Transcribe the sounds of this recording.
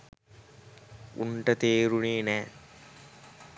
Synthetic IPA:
ṵɳʈət̪eːɾuneːnæː

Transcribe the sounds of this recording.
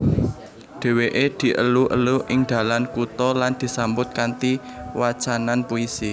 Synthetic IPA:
ɖ̪̥e̤weʔed̪̥i̤ʔə̰luʔə̰luʔɪŋd̪̥ä̤lankut̪ɔland̪̥i̤sambʊt̪̚kant̪i | wḁt͡ʃananpuisi

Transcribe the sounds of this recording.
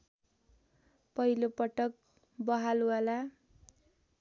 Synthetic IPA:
pʌilopʌʈʌk̚ | bʌɦaluwala

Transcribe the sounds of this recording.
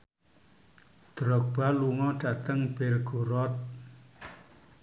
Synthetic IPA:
d̪̥ɾɔk̚b̥aluŋɔɖ̥at̪əŋb̥elɡ̥o̤ɾɔt̪̚

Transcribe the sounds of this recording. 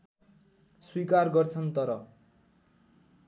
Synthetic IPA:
swikarɡʌrt͡sʰʌnt̪ʌɾʌ

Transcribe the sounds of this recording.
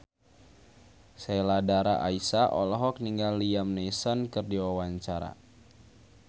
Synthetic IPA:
seladaɾa̰ʔaisaʔɔ̰lɔɦɔk̚niŋɡalːiamnesɔnkɨrdiwawaɲt͡ʃaɾa̰

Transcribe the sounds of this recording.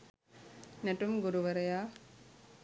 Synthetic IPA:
nɐʈːɯmɡʊɾuʋɐɾɐjaː

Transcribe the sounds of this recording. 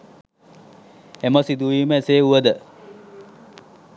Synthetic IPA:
eməsid̪ujiməeseːuʋəd̪ə

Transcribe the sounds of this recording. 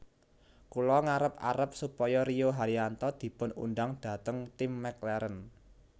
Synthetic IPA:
kulɔŋaɾəpa̰ɾəp̚supɔjɔɾioɦaɾiant̪ɔd̪̥i̤pʊnṵnɖaŋd̪̥ä̤t̪əŋt̪ɪmːɛklɛɾən

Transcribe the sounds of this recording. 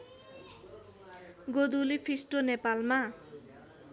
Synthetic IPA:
ɡod̪ulipʰisʈonepalma

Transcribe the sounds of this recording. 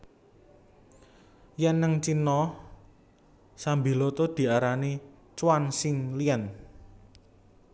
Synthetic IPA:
jɛnːəŋt͡ʃinɔ | sambilot̪od̪̥i̤aɾani | t͡ʃwansɪŋliɛn

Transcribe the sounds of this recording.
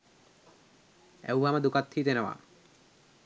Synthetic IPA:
ɛ̰wɦaməd̪ukat̪hiːt̪enəʋa̰

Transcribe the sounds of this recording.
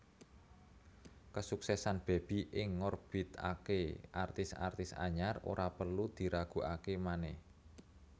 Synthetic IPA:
kəsuksɛsanb̥e̤b̥i̤ʔɪŋːɔrb̥it̪a̰keʔart̪ɪsa̰rt̪ɪsa̰ɲaro̰ɾapərlud̪̥i̤ɾaɡ̥ṳʔakemanɛh

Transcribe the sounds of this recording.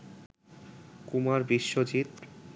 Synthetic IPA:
kumaɾbiʃːod͡ʑit̪

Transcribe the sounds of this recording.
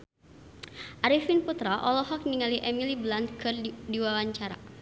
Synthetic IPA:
ʔaɾifinput̪ɾaʔɔlɔɦɔk̚niŋaliʔɛmiliblant̪̚kʰɨrdiwawaɲt͡ʃaɾa̰

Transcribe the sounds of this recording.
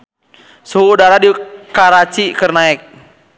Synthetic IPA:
suːdaɾadikaɾat͡ʃikərnaɛk̚

